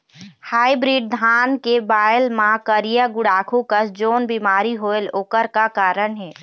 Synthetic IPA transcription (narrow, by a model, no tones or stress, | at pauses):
haːibɾiːɖd̪ʱaːnkebaːjəlmãkəɾijaɡʊɽaːkʰũkəsd͡ʒoːnbiːmaːɾiɦoːeloːkəɾkakaːɾəɳɦɛː